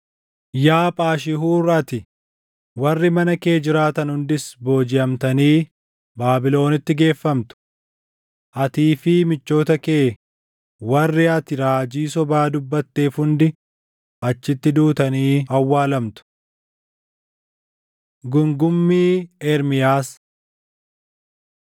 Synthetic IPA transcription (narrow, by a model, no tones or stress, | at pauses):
jaːpʼaːʃɪɦuːrɐt̪ɪ | wɐrːɪmɐnɐke̞ːd͡ʒɪɾaːt̪ɐnhʊnd̪ɪsbo̞ːd͡ʒɪʔɐmt̪ɐniː | baːbɪlo̞ːnɪt̪ːɪɡe̞ːfːɐmt̪ʊ̥ | ʔɐt̪iːfɪːmɪt͡ʃːo̞ːt̪ɐke̞ː | wɐrːɪɐt̪ɪɾaːd͡ʒiːsɔbaːd̪ʊbːɐt̪ːe̞ːfhʊnd̪ɪ | ʔɐt͡ʃːɪt̪ːɪd̪uːt̪ɐniːɐwːaːlɐmt̪ʊ̥ | ɡʊŋɡʊmːiːɛɾmɪjaːs